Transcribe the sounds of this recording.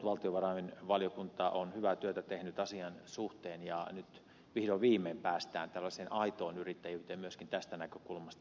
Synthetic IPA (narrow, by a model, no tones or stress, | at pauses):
ʋɑlt̪ioʋɑrɑinʋɑljokunt̪ɑʔonhyʋæt̪yøt̪æt̪ehnyt̪ɑsiɑnsuht̪eːnjɑnyt̪ | ʋihdoʋʋiːmːeːmpæːst̪æ̰ːnt̪ælːɑseːnʔɑit̪oːnyrit̪ːæjyːt̪emmyøskint̪æst̪ænækøkulmɑst̪ɑ